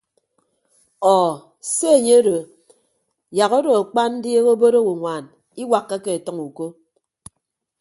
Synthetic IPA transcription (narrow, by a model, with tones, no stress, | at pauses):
ɔ˨ | se˦e˨ɲe˦ɾo˨ | ja˨ɣo˦do˨a˨k͡pa˦n̩˦dje˦ɣo˦bo˦ɾo˦wu˨ŋʷaː˨n | i˦wa˨kːa˦ke˨e˨tʌ˦ŋu˨ko˦